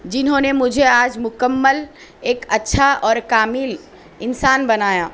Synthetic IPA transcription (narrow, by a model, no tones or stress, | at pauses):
d͡ʒinɦõnemʊd͡ʒʱead͡ʒmʊkəmːəl | eːkətːʃʰaʔɔːɾkamil | insaːnbənaːja